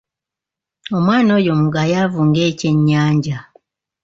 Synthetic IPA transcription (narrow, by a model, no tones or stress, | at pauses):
o̞mwaːno̞ːjomuɡajavuːŋɡeːce̞ɲːaːɲɟa